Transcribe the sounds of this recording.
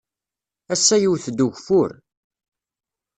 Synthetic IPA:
æsːæjiwθd̪uʝfʊɾ

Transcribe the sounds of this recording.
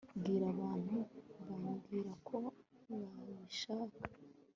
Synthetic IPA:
bɡiːɾaβaːn̥huβaɾabɡiːɾakʰo̞βaβiʃaːkḁ

